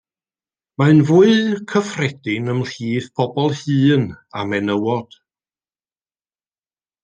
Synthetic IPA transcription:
manvuɨðkʰəfrɛd̥ɪnəmr̥iːðpʰɔbɔlˠhɨːnamɛnəwɔd̥

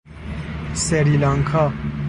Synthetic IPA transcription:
sɛɾilaŋkʰa

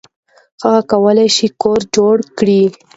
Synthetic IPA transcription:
xaɣakawəlajʃikoɾd͡ʒoɽkɽi

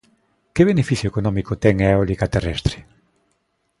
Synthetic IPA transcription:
keβ̞enefiθjoekonɔ̃mikot̪ɛŋaeolikat̪erɛst̪ɾe

